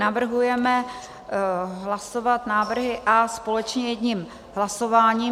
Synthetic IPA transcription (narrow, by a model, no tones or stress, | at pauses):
navr̩ɦujɛmɛ | ɦlaso̞vat̪naːvr̩ɦɪʔaspo̞lɛt͡ʃɲɛjɛdɲim | ɦlasovaːɲiː